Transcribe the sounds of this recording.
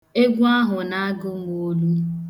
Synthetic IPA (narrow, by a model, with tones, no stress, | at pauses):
e˦ɡʷu˦a˦ɦʊ˨na˦a˦ɡʊ˦mo˦lu˦